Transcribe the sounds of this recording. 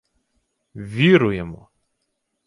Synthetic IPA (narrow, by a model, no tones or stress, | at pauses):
ʋʲiɾʊjɛmɔ̰